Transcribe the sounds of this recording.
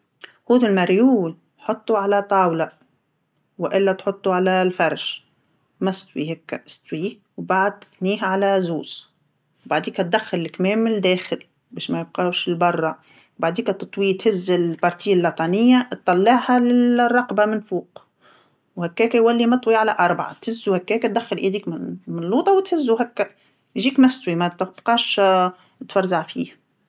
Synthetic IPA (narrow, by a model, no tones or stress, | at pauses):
huːðɪlmaɾjuːl | jħot̪ˤːuʕalæt̪ˤɑːwla | wʔɪlːæt̪ħot̪ˤːuʕalælfɑɾˤʃ | mæst̪wihækːæ̰st̪wi | wbaʕad̪̚t̪ɪθniːɦʕalæzuːz̥ | wbaʕd̪iːkæt̪̚d̪æxːɪllɪkmɛːmːɪɪd̪ɛːxɪl | bɛːʃmæjɪb̚qɑwʃɪlbɑrˤːɑ | wbaʕd̪iːkæt̪ɨt̪ˤwit̪hɪzːɪlpɑɾˤt̪ijːalːɑt̪ˤɑnɪjːat̪ˤːɑlːɑʕhalɪrˤːɑqbamɪnfuːq | whækːæːkæjwælːimɑt̪ˤwiʕalæʔɑɾˤbaʕa̰t̪hɪzːuhækːɛːkæt̪̚d̪æxːɪlʔid̪iːkmɪmɪnlːuːt̪ˤɑwt̪hɪzːuɦækːæ | jʒiːkmæst̪wimæt̪bqɑːʃ | t̪fɑɾˤzaʕfḭːh